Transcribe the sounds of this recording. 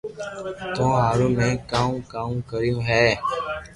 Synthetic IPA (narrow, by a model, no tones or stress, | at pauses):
t̪õːɦaːɾõːmẽːkaːũkãːkəɾjõːɦɛː